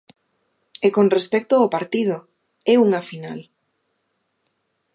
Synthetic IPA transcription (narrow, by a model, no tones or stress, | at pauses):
ekonrespɛk̚t̪ʊaopaɾt̪ið̞o | ɛuŋafinal